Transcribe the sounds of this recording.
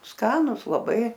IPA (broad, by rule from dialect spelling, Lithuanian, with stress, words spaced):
ˈskɑːnʊs lˠɐˈbɐɪ